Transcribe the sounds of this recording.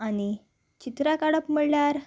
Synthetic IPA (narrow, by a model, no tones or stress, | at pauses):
ani | t͡ɕit̪ɾakaɽəpməɭljaɾ